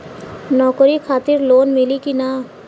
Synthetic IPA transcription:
nɔːkɾikʰaːt̪ɪɾloːnmɪlikina

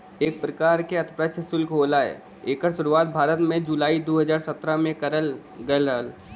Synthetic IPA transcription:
eːk̚pɾəkaːɾkeɐt̪ʰpɾəʃʰəsʊlkɦoːlaːḛ | eːkəɾʃʊɾuaːt̪̚bʱaːɾət̪mẽd͡ʒulaːid̪oːɦəd͡ʒaːɾsət̪ɾamẽkɐɾəl | ɡɐləl

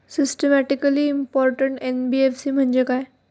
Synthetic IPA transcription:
sɪsʈemæʈikəliːmpɔɾʈəɳʈenbiefsim̤əɳd͡ʑekae

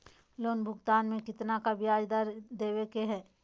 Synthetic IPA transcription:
loːnbʱʊɡt̪aːnmẽkɪt̪nakabɪjaːd͡ʒd̪aɾd̪eːwekeɦɛː

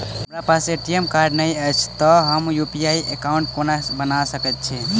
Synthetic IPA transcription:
ɦəmɾapaseʈiemkaɾɖnəjəjt͡ʃʰt̪ɔɦəmjupijaiʔekaũɳʈ̚konabənasəkət̪̚t͡ʃʰi

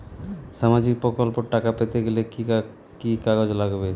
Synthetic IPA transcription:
ʃamad͡ʑik̚pɾokolpoʈakapet̪eɡeleki | kikaɡod͡ʑlaɡbe

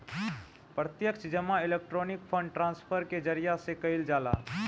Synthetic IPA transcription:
pɾət̪jəkʃd͡ʒəmaɪleːk̚ʈɾoːnɪkpʰə̃ɳɖʈɾãːnspʰəɾked͡ʒəɾijasekəɪld͡ʒaːla̰ː

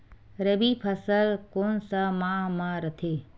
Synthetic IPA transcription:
ɾəbipʰɐsəlkoːnsəmãmãːɾət̪ʰeː

